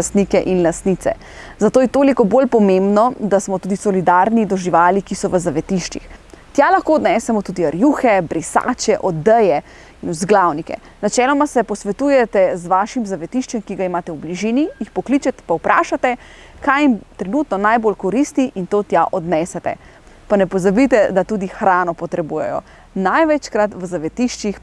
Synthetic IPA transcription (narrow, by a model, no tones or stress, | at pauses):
st̪niːkɛʔinlast̪niːt̪sɛ̰ | zat̪oːjɛt̪oːlikɔbolpɔmembnɔd̪asmɔt̪uːd̪isɔlid̪aːɾnid̪ɔʒiʋaːlikisɔʋəzaʋɛt̪iʃt͡ʃḭxt̪jalaxkoːd̪nɛːsɛmɔt̪uːd̪iaɾjuːxɛbɾisa̰ːt͡ʃɛʔɔd̪ːəjɛ | inuzɡlawnikɛ̰ | nat͡ʃɛːlɔmasɛpɔsʋɛt̪ujɛt̪ɛzʋaːʃimzaʋɛt̪iʃt͡ʃɛmkiɡaimaːt̪ɛwbliʒiːnijixpɔkliːt͡ʃɛt̪ɛ̥pawpɾʔa̰ːʃat̪ɛ | kajimt̪ɾɛnut̪nɔnajboːlkɔɾist̪iʔint̪oːt̪jaʔɔd̪nɛsɛt̪ɛ̰ | panɛpɔzabit̪ɛd̪at̪uːd̪ixɾaːnɔpɔt̪ɾɛbuːjɛ̰jɔ̰ | najʋɛt͡ʃkɾat̪ʋəzaʋɛt̪iːʃt͡ʃix